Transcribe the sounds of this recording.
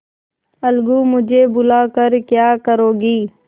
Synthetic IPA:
əlɡuːmʊd͡ʒʱeːbʊlaːkəɾkjaːkəɾoːɡiː

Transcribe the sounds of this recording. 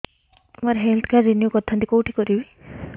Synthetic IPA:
moɾɦɛlt̪ʰkazinijokɔt̪ʰːɔnt̪ikowʈʰi̥kɔɾibi

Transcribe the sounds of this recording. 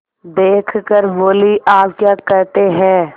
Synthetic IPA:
d̪eːkʰkəɾboːliʔaːpkjaːkɐɾt̪eɦɛ̃ː

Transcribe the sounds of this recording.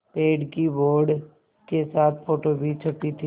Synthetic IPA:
peːɖkiboːɾɖ | kesaːt̪̚ʰfoːʈoːbʱit͡ʃʰɐʈːit̪ʰi

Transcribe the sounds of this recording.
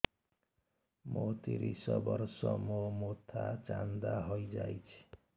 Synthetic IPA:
mot̪iɾisʌbʌrsʌmomot̪ʰat͡sand̪aɦojd͡zajt͡sʰi̥

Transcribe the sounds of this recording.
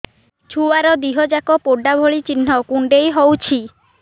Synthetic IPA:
t͡ʃʰuaɾɔd̪iɦɔd͡ʒakɔpoɖabʱoɭit͡ʃin̤ːɔkuɳɖejɦowt͡ʃʰi

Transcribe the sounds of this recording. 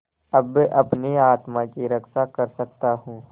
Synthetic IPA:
ɐbʔɐpniaːt̪mãkiɾɐkʃakɐɾsɐk̚t̪aɦũː

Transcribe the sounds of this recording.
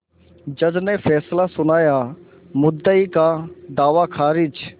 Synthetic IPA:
d͡ʒəd͡ʒnɛ̃fɛːslasʊnaːjaː | mʊd̪ːəiːkad̪aːʋaːkʰaːɾɪd͡ʒ

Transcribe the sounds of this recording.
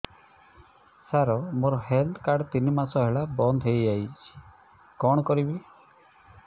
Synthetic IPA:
saɾɔmoɾɔɦeld̪kaɖt̪inimasɔɦeɭabɔnd̪ʱɦejd͡ʒajt͡ʃʰi̥ | kɔɽɔkɔɾibi

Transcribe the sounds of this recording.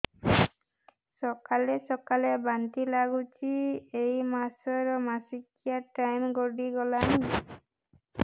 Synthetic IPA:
sɔkalɛsɔkalɛbant̪ilaɡut͡ʃiejmasɔɹɔmasikijaʈajmɡɔɖiɡɔlani

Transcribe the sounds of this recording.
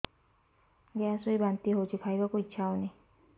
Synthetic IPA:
ɡeasojbant̪iɦowt͡ʃʰikʰajbakuitːʰaoni

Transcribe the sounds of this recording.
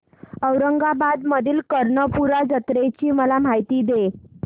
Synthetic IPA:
əwɾəŋɡabad̪məd̪ʱiːlkəɾɳəpuɾad͡zət̪ɾet͡ɕiːməlam̤ajt̪iːd̪e

